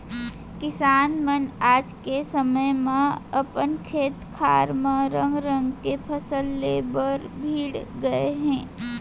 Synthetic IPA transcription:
kɪsaːnmənaːd͡ʒkesəməjmẽəpənkʰeːt̪kʰa̰ːɾmẽɾə̃ŋɡɾə̃ŋɡkepʰəsəlːeːbəɾbʱiːɽɡəeɦɛ̃ː

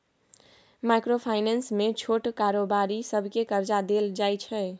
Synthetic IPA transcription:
majkɾopʰaɪnənsmet͡ʃʰoʈkaɾobaɾisəbʱkekəɾd͡ʒad̪eld͡ʒajt͡ʃʰɛ

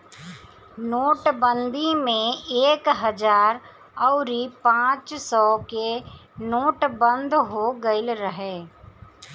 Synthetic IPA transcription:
noːʈbə̃nd̪imẽeːkɦəd͡ʒaːɾ | ɔʊɾipãːt͡ʃsɔkenoːʈbə̃nd̪ɦoɡəɪlɾəɦeː

